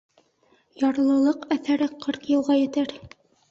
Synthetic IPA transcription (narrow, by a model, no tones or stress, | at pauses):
jɑɾlˠɤ̆lˠɤqæθæɾɘqʰɤɾqjɤ̆lˠʁɑjɘ̆t̪æɾ